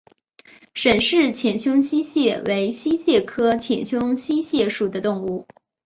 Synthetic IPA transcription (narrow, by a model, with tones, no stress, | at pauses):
ʂə˨˩nʂɻ̩˥˩t͡ɕʰjɛ˨˩nɕjʊ˥ŋɕi˥ɕjɛ˥˩we˧˥ɪɕi˥ɕjɛ˥˩kʰɤ˥t͡ɕʰjɛ˨˩nɕjʊ˥ŋɕi˥ɕjɛ˥˩ʂu˨˩d̪ə˦t̪ʊ˥˧ŋu˥˩